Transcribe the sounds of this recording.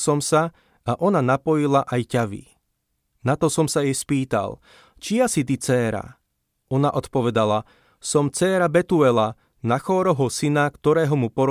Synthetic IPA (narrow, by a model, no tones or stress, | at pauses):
sɔmsa | aʔɔnanapɔjilaʔajcaʋḭ | nat̪ɔsɔmsajɛspiːt̪a̰lˠ | t͡ʃiasit̪̬it͡sɛːɾa̰ | ɔnaʔɔt̪pɔʋɛd̪ala | sɔmt͡sɛːɾabɛt̪uɛla | naxɔːɾɔɦɔsinakt̪ɔɾɛːɦɔmupɔɾ